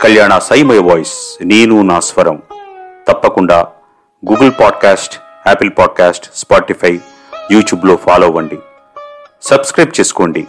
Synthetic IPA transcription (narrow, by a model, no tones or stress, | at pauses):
kɐljaːɳɐsɐjmɐjʋɔːjsneːnunaːsʋɐɾɐmt̪ɐpːɐkuɳɖaː | ɡuːɡɨlpaːɖkaːsʈ | ɛːpilpaːɖ̚kaːsʈspaːʈipʰɐj | juːʈjuːblo̞ːpʰaːloːʋɐɳɖi | sɐbskɾɐjp̚t͡ʃeːsu̥koːɳɖi